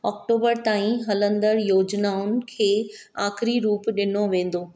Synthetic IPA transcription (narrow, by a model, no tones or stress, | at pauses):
ɔːkʈoːbəɾt̪aːĩɦɐlə̃nd̪əɾjoːd͡ʑnaːʊnɪ̆kʰeː | aːxɾiɾuːpɗɪn̤oʋẽːn̆d̪oː